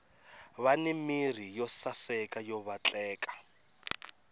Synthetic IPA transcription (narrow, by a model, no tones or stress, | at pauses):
βanimir̤ijɔsasɛkʼajɔβat͡ɬʼɛːkḁ